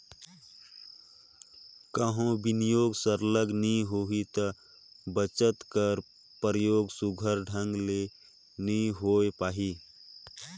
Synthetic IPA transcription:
kəɦõbɪnɪjoːɡsəɾləɡnĩɦoɦit̪ə | bət͡ʃət̪kəɾ | pɾəjoːɡsʊɡʱəɾɖʱə̃ŋɡle | nəĩɦoːepaːɦiː

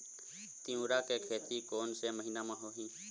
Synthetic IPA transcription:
t̪iũːɾaːkeːkʰeːt̪ikoːnseməɦinaːmãːɦoːɦĩː

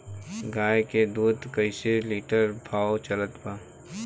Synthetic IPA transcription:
ɡaːjked̪uːd̪kəɪseliːʈəɾbʱaːot͡ʃələt̪pa

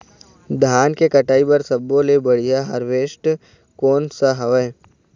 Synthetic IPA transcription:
d̪ʱaːnkekɐʈaːibɐɾsɐbːõlebɐɽ̤ijaɦɐɾʋeːʃʈ | koːnsaɦɐʋə

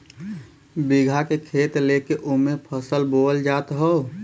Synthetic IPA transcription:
biɡʱakekʰeːt̪lekeʔumepʰəsəlboːld͡ʒaːt̪ɦəo

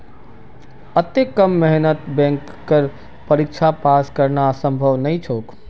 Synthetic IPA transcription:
ət̪ekəmːɛɦnət̪bɛ̃ŋkːəɾ | pəɾik̚t͡ʃʰapaskəɾnasə̃mbʱəʋnəjt͡ʃʰok

